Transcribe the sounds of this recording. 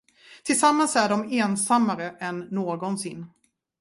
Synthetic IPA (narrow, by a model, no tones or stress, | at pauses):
t̪ʰɪlsamːansæɖɔmeːnsamːaɾəʔɛnːoːɡɔnsɪnː